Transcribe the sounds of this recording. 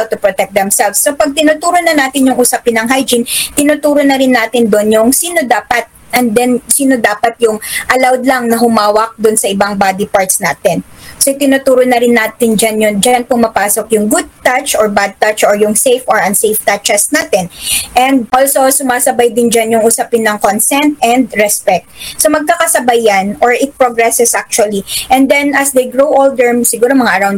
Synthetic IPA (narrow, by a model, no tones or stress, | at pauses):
awt̪ʊpɹot̪ɛk̚d̪ɛmsɛlvsːopɐɡ̚t̪ɪnut̪uːɾonɐnaːt̪ɪnjʊŋʔʊsapɪnɐŋɦajd͡ʒɪnt̪ɪnut̪uːɾonɐɾɪnːaːt̪ɪnd̪onjʊŋsiːnod̪aːpɐt̪̚ | ʔɛnd̪ɛnsiːno̞d̪aːpɐt̪̚jʊŋʔɐlawd̪̚lɐŋnɐɦʊmaːwɐk̚d̪ʊnsɐʔɪbɐŋbaːd̪ipaɹt̪snaːt̪ɛnsojt̪ɪnut̪uːɾonɐɾɪnːaːt̪ɪnd͡ʒanjʊnd͡ʒanpʊmɐpaːsok̚jʊŋɡʊd̪̚t̪at͡ʃʔoɹbad̪̚t̪at͡ʃoɹjʊŋsejfoɹʔɐnsejft̪at͡ʃɛsnaːt̪ɛnʔɛnd̪̚polsosʊmaːsɐbajd̪ɪnd͡ʒanjʊŋʔʊsapɪnːɐŋkonsɛnt̪̚ʔɛnd̪̚ɹɛspɛk̚t̪̚somɐɡ̚kakɐsɐbajːanoɹʔɪt̪̚pɹoɡɹɛsɛsʔak̚t͡ʃuɐliʔɛnd̪ɛnʔɐsd̪ejɡɹowʔold̪ɛɹmsɪɡuːɾomɐŋaʔɐɾawn